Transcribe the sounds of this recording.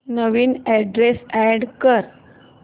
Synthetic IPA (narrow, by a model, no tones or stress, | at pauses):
nəʋiːnɛɖɾesɛɖkəɾ